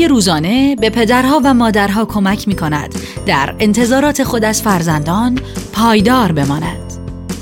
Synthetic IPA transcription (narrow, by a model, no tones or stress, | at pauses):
eɾuːzɒːne̞be̞pʰe̞d̪æɾɦɒːvæmɒːd̪æɾɦɒːkʰo̞mæcʰmiːkʰo̞næ̰d̪̥d̪æ̰ɾe̞nt̪ʰe̞zɒːɾɒːt̪ʰe̞xo̞d̪æz̥fæɾzænd̪ɒːnpʰɒːjd̪ɒːɾbe̞mɒːnæ̰d̪̥